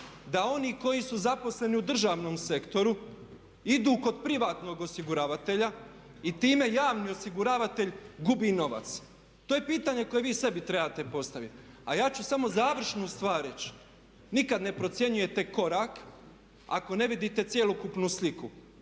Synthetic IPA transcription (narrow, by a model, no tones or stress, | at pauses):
d̪ao̞niko̞jisuzapo̞sle̞niud̪r̩ʒaːʋno̞mse̞kt̪o̞ɾu | id̪uːko̞d̪pɾiʋaːt̪no̞ɡo̞siɡuɾaːʋat̪e̞ʎa | it̪iːme̞jaːʋnio̞siɡuɾaːʋat̪e̞ʎɡubiːno̞ʋa̰t̪s | t̪oːjepiːt̪aɲe̞ko̞je̞ʋiːse̞bit̪ɾebaːt̪e̞po̞st̪aʋit̪ | ajaːt͡ɕusamo̞zaːʋr̩ʃnust̪ʋaːɾɾet͡ɕ | nikad̪ne̞pɾo̞t̪sje̞ɲuje̞t̪e̞ko̞ɾaːk | a̰ko̞ne̞ʋid̪iːt̪e̞t̪sje̞lokupnusliku